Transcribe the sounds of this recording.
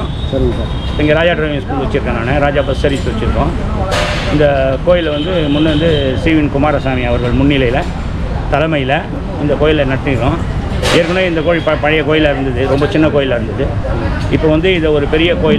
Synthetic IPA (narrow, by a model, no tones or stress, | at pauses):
sɐɾɪŋɡɐsaː | ɛŋɡeɾaːd͡ʒaːʈɾɐʋɪŋskuːlʋɐt͡ʃːɪɾɯkːɐ̃naːnɐɾaːd͡ʒaːpɐssɐɾɪt͡ʃːɯʋɐt͡ʃːɪɾɯkːõː | ɪnd̪ɐkoːjɪlʋɐnd̪ɯmʊnːɯʋɐnd̪ɯsiːʋɪnkʊmaːɾɐsaːmiɐʋɐɾɣɐɭmʊnːɪlɐjɪlɐ | t̪ɐlɐmɐjɪlɐ | ɪnd̪ɐkoːjɪlɐnɐɽt̪ːɪɾɯkːõː | eːɾkːɐɳoːɪnd̪ɐkoːɻɪpɐpɐɻɐjɐkoːjɪlɐɪɾɯnd̪ɐðɯɾɔmbɐt͡ʃɪnːɐkoːjɪlɐɪɾɯnd̪ɐðɯ | ɪpːoʋɐnd̪ɯɪnðɐɔɾɯpɛɾɪjɐkoːjɪ